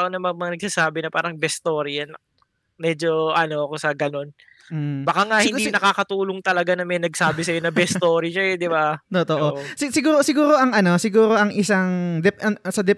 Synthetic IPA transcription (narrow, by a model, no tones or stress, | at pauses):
ɐʔonɐmɐmɐŋanɐɡ̚saːsaːbɪnɐpa̰ːɾɐŋbɛst̪oːɾɪjɐn | mɛd͡ʒo̞ʔɐno̞ɐkosɐɡɐno̞n | m̩bɐkaŋaʔhɪninɐkaːkɐt̪uːloŋt̪ɐlɐɡanɐmɛnɐɡsaːbɪsɐjonɐbɛst̪oːɾɪʃaɛd̪ɪbat̪ot̪oʔʔosɪsɪɡuːɾosɪɡuːɾo̞ʔɐŋʔɐno̞sɪɡuːɾo̞ʔɐŋʔɪsaŋd̪ɛʔɐsɐd̪ɛ